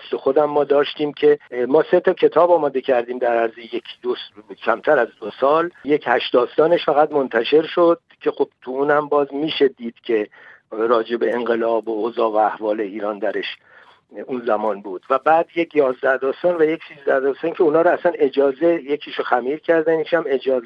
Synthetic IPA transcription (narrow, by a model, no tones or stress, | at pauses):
slexo̞d̪æmːɒːd̪ɒːʃt̪iːmcʰe̞mɒːse̞t̪ʰɒcʰe̞t̪ʰɒːbɒːmɒːd̪e̞cʰæɾd̪iːmd̪æɾæɾzejekʰd̪oscʰæmt̪ʰæɾæzd̪osɒːljecʰhæʃd̪̥ɒːst̪ɒːne̞ʃfæɣæd̪mo̞nt̪ʰæʃe̞ɾʃod̪̥̚cʰe̞xob̥t̪ʰuunhæmbɒːzmiːʃe̞d̪iːd̪̥cʲʰe̞ | ɾɒːd͡ʒe̞be̞eŋɡe̞lɒːboozɒːvæːhvɒːle̞iːɾɒːnd̪æɾe̞ʃ | unzæmɒːnbuːd̪̥væbæːd̪je̞cʰjɒːzd̪æhd̪ɒːst̪ɒːnvæje̞cʰsiːzd̪æhd̪ɒːst̪ɒːncʲʰe̞unhɒːɾoæsæne̞d͡ʒɒːze̞je̞kʰiːʃoxæmiːɾcʰæɾd̪ænjekʰiʃæme̞d͡ʒɒːz